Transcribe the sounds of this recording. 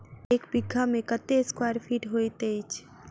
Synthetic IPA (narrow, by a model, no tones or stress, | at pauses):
ekbiɡʱːamẽkət̪eskwaɾpʰiːʈɦojt̪et͡ʃʰ